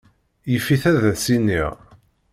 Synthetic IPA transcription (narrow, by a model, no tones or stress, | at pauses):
jəfːiθæðæsinːḭʁ